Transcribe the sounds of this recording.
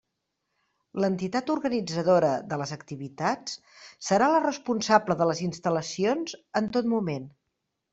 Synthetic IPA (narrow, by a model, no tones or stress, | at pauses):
lənt̪it̪at̪uɾɣənid͡zəðoɾəðələzəkt̪iβit̪at͡s | səɾalərəspunsabləðələzinst̪ələsionzənt̪ot̪mumen